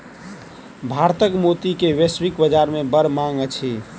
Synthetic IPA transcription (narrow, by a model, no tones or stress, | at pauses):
bʱaɾt̪əkmot̪ikeweswikbəd͡ʒaɾmebəɾmãŋɡət͡ʃʰi